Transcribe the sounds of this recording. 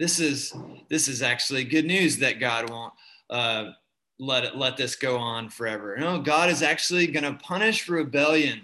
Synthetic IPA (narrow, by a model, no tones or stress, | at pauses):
ðɪsɪzðɪsɨzæk̚t͡ʃʉl̩ˠiɡʊdⁿnʉzðɨt̚ɡ̥ɑd̚wõʊ̃nt̚ | ʔʌ | lɛɾlɛt̪̚ðɪsɡ̥oʊə̃nfə˞ɛvə˞noʊɡɑɾɨzæk̚t͡ʃl̩ˠiɡʌñɨpʰʌñɨʃɹɨbɛlˠjɨ̃n